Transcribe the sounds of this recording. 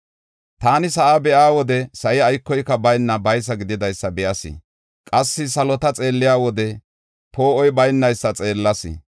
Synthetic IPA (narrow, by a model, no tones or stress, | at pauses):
t̪aːnɪsɐʔabɛʔaːwɔd̪ɛsɐʔɪɐjkːɔjkːɐbɐjnːɐbɐjs̬ɐɡɪd̪ɪd̪ɐjsːɐbɛʔɐsɪ̰ | kʼɐsːɪsɐlɔt̪ɐt͡sʼe̞ːlːɪjaːwɔd̪ɛ | poːʔɔjbɐjnːɐjsːɐt͡sʼe̞ːlːɐsɪ̰